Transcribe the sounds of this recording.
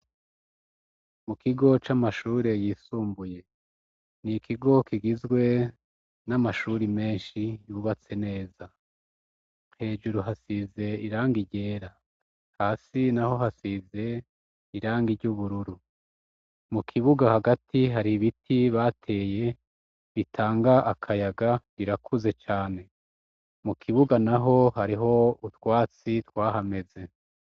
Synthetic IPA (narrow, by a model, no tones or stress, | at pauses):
mukʰiɡo̞t͡ʃamaʃuːɾe̞jiːsuːmbuje̞ | nikʰiɡo̞kiɡizɡwe̞ | namaʃuɾime̞ːnʃijuβat͡se̞ne̞ːza | he̞ːʒuɾuɦasize̞iɾaːŋɡiɾɟe̞ːɾa | haːsinaho̞ɦasize̞ | iɾaːŋɡiɾɟuβuɾuɾu | mukʰiβuɡahaɡatʰiɦaɾiβitʰiβaːtʰe̞ːje̞ | βitʰaːŋɡaʔakʰajaɡaβiɾakʰuze̞t͡ʃaːne̞ | mukʰiβuɡanaɦo̞haɾiɦo̞utwaːt͡sitwaːɦame̞ze̞